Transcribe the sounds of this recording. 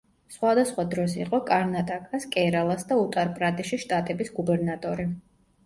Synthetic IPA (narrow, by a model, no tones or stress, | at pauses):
sχwad̪asχwad̪ɾɔsḭqʼɔkʼaɾnat̪ʼakʼaskʼɛɾalˠasd̪aut̪ʼaɾpʼɾat̪ʼiʃiʃt̪ʼat̪ʼɛbisɡubɛɾnat̪ʼɔɾi